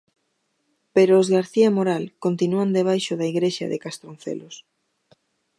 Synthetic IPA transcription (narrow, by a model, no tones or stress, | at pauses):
peɾoːzɣaɾθiamoɾalkont̪inuand̪eβ̞ajʃoðaiɣɾeʃa̰ðḛkast̪ɾon̟θḛlos